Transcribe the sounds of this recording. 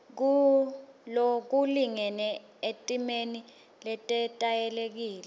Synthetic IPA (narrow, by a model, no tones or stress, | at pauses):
k̬u | lok̬uliŋɛnɛ | etʼimeni | lɛtʼɛtʼajɛlek̬iːlɛ